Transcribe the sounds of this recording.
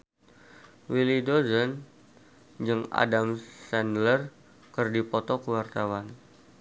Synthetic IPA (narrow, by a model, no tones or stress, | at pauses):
wilidozən | d͡ʒɨŋa̰damsɛndlər | kərdipɔt̪ɔkəwart̪awan